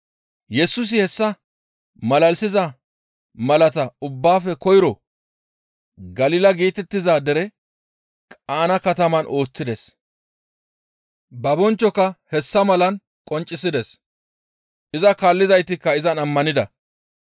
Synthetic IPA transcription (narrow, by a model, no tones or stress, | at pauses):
jɛsʊs̬ɪhɛsːɐ | mɐlɐlsɪzɐ | mɐlɐt̪ɐʊbːaːfɛkɔjɪɾɔ | ɡɐliːlɐɡiːt̪ɛt̪ːɪzaːd̪ɛɾɛ | kʼaːnɐkɐt̪ɐmɐnʔo̞ːt͡sːɪd̪ɛs | bɐbɔnt͡ʃːɔkːɐhɛsːɐmɐlɐn | kʼɔnt͡ʃʼːɪsɪd̪ɛs | ʔɪzɐkaːlːɪzɐjt̪ɪkːɐɪzɐnɐmːɐnɪd̪ɐ